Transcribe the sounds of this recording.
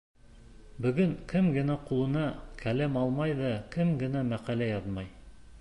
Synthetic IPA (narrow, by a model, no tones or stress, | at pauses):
bɵ̆ɡɵŋkɘmɡɘ̆næqulˠɤ̆nɑkʰælæmɑlˠmɑjðɑkɘmɡɘ̆næmæqælæjɑðmɑj